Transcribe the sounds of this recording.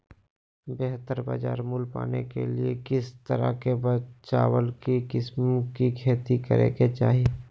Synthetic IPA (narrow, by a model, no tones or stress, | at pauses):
beɦt̪əɾba̰ːd͡ʒaːɾmʊlpa̰ːnekeliekɪst̪əɾa̰kebət͡ʃaːwəlkikɪsmkikʰeːt̪ikəɾḛket͡ʃaːɦie